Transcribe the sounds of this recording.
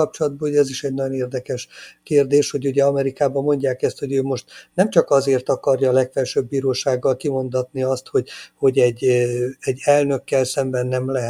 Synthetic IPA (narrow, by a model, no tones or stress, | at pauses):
ɒp̚t͡ʃolɒd̪̚bɒuɟɛɛziʃɛɟnɒjo̞neːrd̪ɛkɛʃkeːrd̪eːʃho̞ɟuɟɛɒmɛɾikaːbɒmo̞ɲɟaːkɛst̪ho̞ɟøːmo̞ʃt̪nɛmt͡ʃɒkɒzeːrt̪ɒkɒrjɒːlɛkfɛlʃøːbːiːɾoːʃaːɡːɒlkimo̞nd̪ɒt̪niɒst̪ho̞ɟho̞ɟɛɟːɛɟːɛlnø̞kːɛlsɛmbɛnːɛmlɛɦɛ